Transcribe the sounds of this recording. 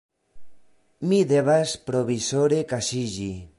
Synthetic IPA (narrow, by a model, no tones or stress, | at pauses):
miðeβaspɾoβisoɾekasiʎi